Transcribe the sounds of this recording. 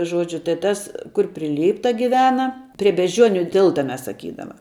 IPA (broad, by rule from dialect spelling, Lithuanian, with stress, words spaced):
ˈʒuɔd͡ʒʲʊ tɐɪ ˈtɐs kʊr pʲrʲɪ ˈlʲiːptɐ ɡʲɪˈʋʲæːnɐ pʲrʲɪ bʲɛʒʲˈd͡ʒʲuɔnʲʊ ˈtʲɪlˠtɐ ˈmʲɛs sɐˈkʲiːdɐmɐ